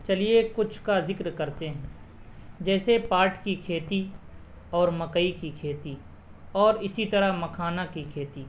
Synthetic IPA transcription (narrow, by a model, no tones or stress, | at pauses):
t͡ʃɐliekʊt͡ʃʰkazɪkɾkɐɾt̪eɦɛ̃ː | d͡ʒɛːsepaːɾʈkikʰeːt̪i | ɔːɾmɐkəikikʰeːt̪i | ɔːɾɪsit̪ɐɾamɐkʰaːnakikʰeːt̪iː